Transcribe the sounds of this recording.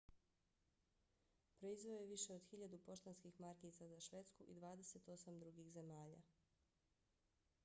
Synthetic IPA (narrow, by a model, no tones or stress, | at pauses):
pɾo̞izʋoojeʋiʃe̞od̪xiʎad̪upo̞ʃt̪anskixmaɾkit̪sazaʃʋe̞t̪skuʔḭd̪ʋaːd̪e̞se̞t̪o̞samd̪ɾuɡixze̞maːʎa̰